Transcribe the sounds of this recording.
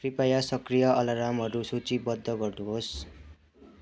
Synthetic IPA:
kripajasʌkrijʌʔʌlaɾamɦʌɾusut͡sibʌd̪ʱːʌɡʌrd̪uɦos

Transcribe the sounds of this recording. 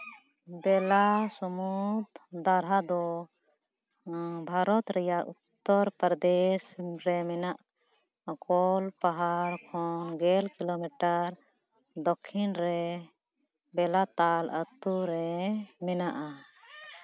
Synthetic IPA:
bɛlasɔmut̪d̪aɾɦad̪ɔ | bʱaɾɔt̪ɾɛjaʔut̪ːɔɾpɾd̪esɾɛmɛnaʔ | kɔlpaɦaɾkʰɔnɡɛlkilomiʈəɾ | d̪ɔkʰːinɾɛ | bɛlat̪alət̪uɾɛmɛnaʔa

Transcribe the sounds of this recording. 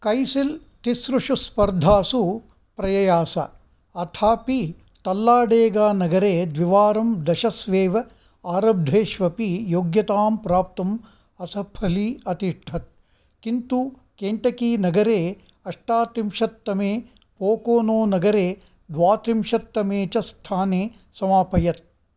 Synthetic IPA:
kɐjsil | t̪isɾuʂuspɐɾd̪ʱaːsu | pɾɐjɐjaːsɐ̰ | ɐt̪ʰaːpi | t̪ɐlːaːɖeːɡaːnɐɡɐɾeːd̪ʋiʋaːɾɐmd̪ɐʃɐsʋeːʋɐ | aːɾɐb̚d̪ʱeːʃʋɐpijoːɡjɐt̪aːmpɾaːp̚t̪ɐm | ɐsɐpʰɐliɐt̪iʂʈʰɐt̪̚ | kint̪u | keːɳʈɐkiːnɐɡɐɾeː | ɐʂʈaːt̪ɾimʂɐt̪ːɐmeː | poːkoːnoːnɐɡɐɾeː | d̪ʋaːt̪ɾimʂɐt̪ːɐmeːt͡ʃɐst̪ʰaːneː | sɐmaːpɐjɐt̪̚

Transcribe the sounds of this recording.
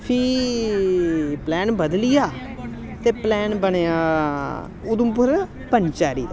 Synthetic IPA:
pʰi | plɛːnbəd̪lɪjaː | t̪eːplɛːnbəɳeːaː | ʊd̪ʊmpʊɾ | pəɲt͡ʃaːɾḭː

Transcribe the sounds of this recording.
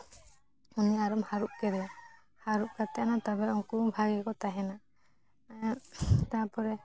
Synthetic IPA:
uniaɾɔmhaɾuʔ̚kɛd̪ɛ | haɾuʔ̚kat̪ɛanat̪abɛuŋkubʱaɡɛkɔt̪aɦɛna | t̪apɔɾɛ

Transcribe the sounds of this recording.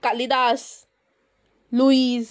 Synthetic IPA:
kalid̪as | luiz

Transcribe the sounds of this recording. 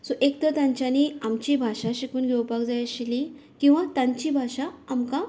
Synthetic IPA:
soʔekt̪ət̪ãɲt͡ɕjaniamt͡ɕibʱaɕaɕikuːnɡʱewpakd͡zajaɕili | kĩw̃ʋat̪aɲt͡ɕibʱaɕaːmka

